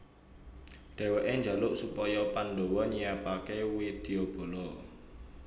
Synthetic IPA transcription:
ɖ̪̥ɛ̤wɛʔeɲd͡ʒa̤lʊʔsupɔjɔpandowɔɲijapakewid̪̥e̤ob̥o̤lɔ

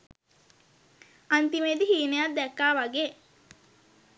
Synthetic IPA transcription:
ant̪imeːd̪ihiːnejad̪d̪ɛkːaːʋaɡeː

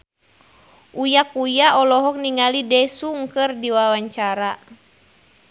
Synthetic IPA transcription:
ʔujakujaɔlɔɦɔk̚niŋalidɛsuŋkɨrdiwawaɲt͡ʃaɾa

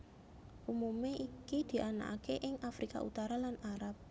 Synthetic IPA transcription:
ʔumumeʔikid̪̥i̤ʔana̰ʔa̰keʔɪŋafɾika̰ʔṵt̪aɾalanaɾap̚

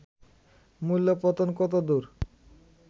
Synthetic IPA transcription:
mulːopɔt̪onkɔt̪od̪uɾ

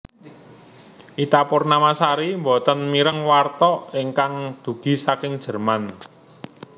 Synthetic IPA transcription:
ʔit̪apʊrnamasaɾimbɔt̪ənmiɾəŋwart̪ɔiŋkaŋd̪̥ṳɡ̥i̤sakɪŋd̥ʒ̥ə̤rman

